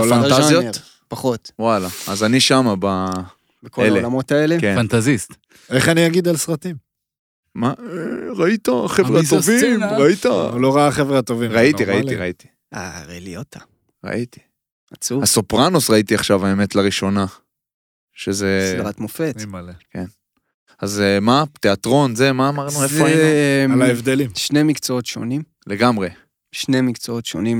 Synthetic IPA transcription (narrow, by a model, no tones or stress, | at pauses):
fantazjot | paχot̪walaːzaniʃamaba | bekoelelamot̪aelekefant̪azist̪ | eχaniaɡid̪alsʁat̪im | maʁait̪aχevʁat̪ːovimʁait̪auloʁaaχevʁaat̪ovimʁaittiʁaitiʁait̪i̥ | aʁeliot̪ʰa | ʁa̰ʔit̪i̥ | at͡suasopʁanosʁait̪iaχʃavaemet̪laʁiʃo̞na | ʃezeslʁat̪mofetken | azmat̪eat̪ʁo̞nzemaːmmaʁnuezfalaevd̪elimʃnemikt͡soot̪ʃo̰nim | le̞ɡamʁe̞ | ʃnemikt͡soot̪ʃonim